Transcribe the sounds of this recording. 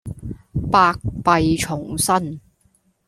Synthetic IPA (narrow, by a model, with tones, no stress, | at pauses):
paː˧k̚pɐ˨˧jt͡ʃʰʊ˨˩ŋsɐ˥n